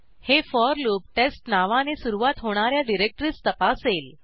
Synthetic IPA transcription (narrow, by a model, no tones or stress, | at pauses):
hefɔɾloːp̚ʈesʈnaʋanesuɾuʋat̪ɦoɽ̃aɾjaɖiɾek̚ʈɾist̪əpasel